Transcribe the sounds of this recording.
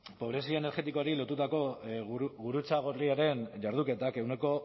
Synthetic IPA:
po̞βɾe̞sioene̞ɾɣe̞t̪ikoaɾilo̞t̪ut̪ako̞ | ɣuɾut͡saɣ̞oiaɾe̞nʝaɾð̞uke̞t̪ake̞wne̞ko̞

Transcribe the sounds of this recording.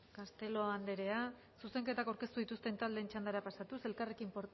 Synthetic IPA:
kast̪e̞lo̞and̪e̞ɾe̞a | suse̞ŋke̞t̪akawɾke̞st̪uðit̪ust̪e̞nt̪ald̪eːnt͡ʃand̪aɾapasat̪use̞lkare̞kimpoɾ

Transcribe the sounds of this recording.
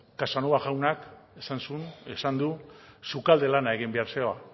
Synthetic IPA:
kasanoaɣawnakesansunesand̪usukald̪e̞lanae̞ɣimbe̞aɾseoa

